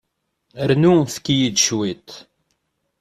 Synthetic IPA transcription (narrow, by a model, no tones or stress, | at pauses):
əɾnuθə̥kːijid̪ʃwit̪